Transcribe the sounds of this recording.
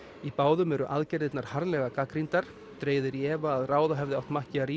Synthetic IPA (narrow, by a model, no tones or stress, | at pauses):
ipaːwðʏmɛɾʏʔaðcɛɾðɪt̪naɾ̥haɾlɛɣakakɾint̪aɾ̥ | t̪ɾeːjðʏɾjɛːvaːðraːwðaɦɛvðɪawht̪mahcɪaɾi